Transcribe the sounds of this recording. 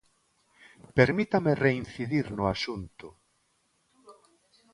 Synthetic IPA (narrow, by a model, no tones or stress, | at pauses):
peɾmit̪amerein̟θiðiɾnʊasunt̪ʊ